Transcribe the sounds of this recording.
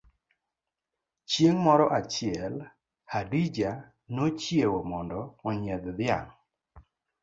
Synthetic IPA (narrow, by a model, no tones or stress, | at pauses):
t͡ʃjeŋmɔɾɔʔat͡ʃɪɛl | hadid͡ʒa | not͡ʃjewomɔndɔːɲɛd̪d̪ɪa̰ŋ